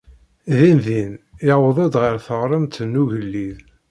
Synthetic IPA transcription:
ðinðinɪwəðˤed̪ʁəɾθəʁɾˤəmt̪ənːuʝəlːið

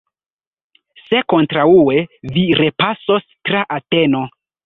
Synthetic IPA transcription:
se̞ko̞ntɾaue̞viɾe̞paso̞stɾaʔate̞no̞

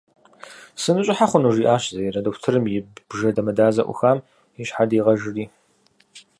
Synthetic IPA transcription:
sɨnɨɕʼɪħaχʷʊnuːʒiːʔaːɕzɐjɛrɐdoːkʷtʰɨɾɨmjɪbbʒɐdɐmɐdaːzɐ̰ʔʷʊ̰xaːm | ɪɕħadiːʁɐʒɪriː

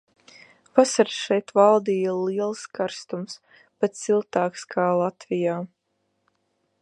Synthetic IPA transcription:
vasaɾsʃɛjt̪valˠd̪iːjaliɛlˠskaɾst̪ums | pat̪silˠt̪aːkskʰaːlˠat̪vijaː

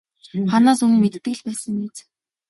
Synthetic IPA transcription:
χanaːsɵŋmet̪t̪ɘ̆ɮpæːsə̆ŋiːt͡s

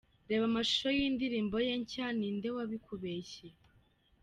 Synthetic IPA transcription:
ɾe̞ːβamaʃo̥ʃojiːndiɾiːmbo̞jeɲcanindewaβikʰuβeːçe

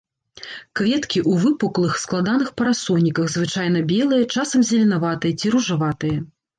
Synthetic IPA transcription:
kvʲɛt̪kʲiʔuvɨpuklˠɨxsklˠad̪anɨxpɐɾasɔnʲːikɐɣzvɨt͡ʂajn̪ɐbʲɛlˠɨjɐt͡ʂasɐmzʲɐlʲinavat̪ɨjɐt͡sʲiɾuʐavat̪ɨjɐ

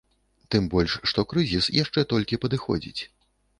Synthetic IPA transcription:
t̪ɨmbɔlʲʂːt̪ɔkɾɨzʲisjaʂt͡ʂɛt̪ɔlʲkʲipɐd̪ɨxɔ̰d͡zʲḭt͡sʲ

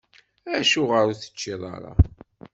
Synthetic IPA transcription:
æʃuʁəɾuθə̥t͡ʃːiðˤɑ̰ɾˤɑ̰

